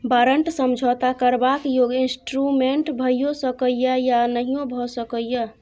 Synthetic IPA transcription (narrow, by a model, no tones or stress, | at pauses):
baɾəɳʈsəmd͡ʒʱot̪akəɾbakjoɡinsʈɾumeɳʈbʱəjjosəkəjjəjanəɦijõbʱɔsəkəjjə